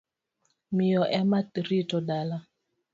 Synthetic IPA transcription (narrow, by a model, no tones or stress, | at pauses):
mijɔʔɛmatiɾitɔdala